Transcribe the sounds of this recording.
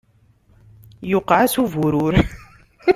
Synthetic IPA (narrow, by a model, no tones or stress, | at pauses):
juqasuvuɾuɾ